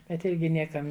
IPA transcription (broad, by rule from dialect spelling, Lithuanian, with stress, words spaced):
bʲɛt ˈɪrʲɡʲɪ ˈnʲiɛkɐm